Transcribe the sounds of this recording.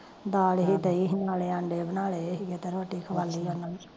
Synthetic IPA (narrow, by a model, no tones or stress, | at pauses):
d̪aːlɦid̪əiɦɪnaːleːãɳɖeːbənaːleɦiɡet̪eɾoːʈiːkʰəʋaːlːiːona